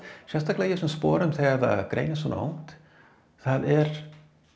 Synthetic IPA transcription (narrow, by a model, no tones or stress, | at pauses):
ʃɛst̪aklejɪsʏmspɔːɾʏmθɛaða̰ɡ̥ɾḛːjnɪsɔːnɔ̰wŋt̪ | θaðɛɾ